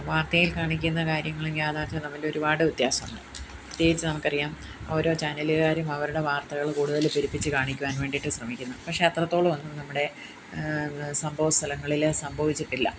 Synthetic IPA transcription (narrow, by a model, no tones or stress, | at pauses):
ʋaːrt̪ɐjilkaːɳik̬ʲːunːɐkaːɾjɐŋːɐɭeŋɡijaːðaːt͡ɕːɐnɐmːɐloɾubaːɽɨut̪jaːsɐmuɳɖɨ | it̪jeːɡit͡ɕːɨnɐmukːɐrijaːm | o̞ːɾo̞ːt͡ɕaːnɐliɣaːɾumɐʋɐɾuɽe̞ʋaːrt̪ɐɣɐɭkuːɽuðɐlpiɾipːit͡ɕːɨkaːɳikʲːuʋaːnʋe̞ːɳɖiʈːɨɕrɐmikʲːunːɐpɐkʂe̞ɐt̪rɐt̪ːo̞ːɭɨʋɐnːunɐmːuɽe̞ | sɐmbʱɐʋɐst̪ʰɐlɐŋːɐɭilsɐmbʱɐʋit͡ɕːiʈːilːɐ̰